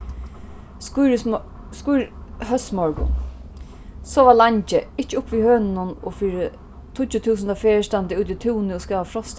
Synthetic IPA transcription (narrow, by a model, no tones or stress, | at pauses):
skʊjɾhœsmɔɹkʊ̰n | sɔːʋalaɲt͡ʃɪɪt͡ʃːɪʊpʋihøːnɪnʊnɔ̰fiːɾɪ | t̪ʰʊt͡ʃːʊt̪ʰuːs̬ənd̪afɛːəst̪ant̪ɪuːt̪̬it̪ʰuːnɪɔskaːʋafɾɔst̪